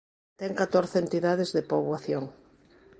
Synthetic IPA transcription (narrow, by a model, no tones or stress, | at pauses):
t̪ɛŋkat̪oɾθent̪iðaðezðepoβwaθjoŋ